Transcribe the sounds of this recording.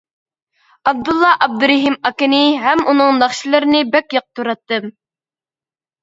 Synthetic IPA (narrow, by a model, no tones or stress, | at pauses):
ɑb̚d̪ulˠːɑʔɑb̚d̪ɨɾɪɦimɑkɪnɪɦɛmunɨŋnɑχʃilˠɨɾɪnɪbɛkʲjɑq̚t̪ʰuɾɑt̪ːɨm